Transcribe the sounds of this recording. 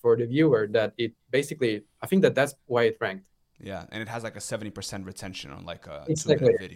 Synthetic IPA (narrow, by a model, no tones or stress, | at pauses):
fə˞ðɨvjʉə˞ðæɾɪt̚b̥eɪsɨkliaɪθɪ̃ŋk̚ðɨt̪̚ðætswaɪɨtɹæ̃ŋk̚t̚ | jæ̰ɨ̰̃nɨt̚həzlaɪkɨsɛvɨ̃ntipʰə˞sɛ̃nt̚ɹɨtʰɛ̃nʃɨ̃nə̰̃n̩la̰ɪkəɪɡsæk̚tˡliɪɾi